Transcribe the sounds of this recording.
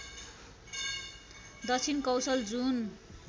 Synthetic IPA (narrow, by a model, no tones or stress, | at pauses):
d̪ʌt͡sʰinkʌwsʌld͡zun